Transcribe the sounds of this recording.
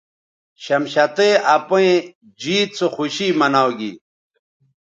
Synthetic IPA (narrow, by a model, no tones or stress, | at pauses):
ɕɐmɕɐt̪eɐpõẽ | d͡ʑiːt̪̚t͡soxuɕiːmɐnawɡḭ